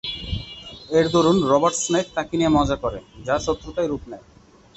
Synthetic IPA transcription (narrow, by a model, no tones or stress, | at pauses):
eɾd̪oɾunɾɔbaɾʈsmek̪̚t̪akiniemɔd͡ʑakɔɾed͡ʑaɾʃɔt̪ːɾot̪ajɾupnɛj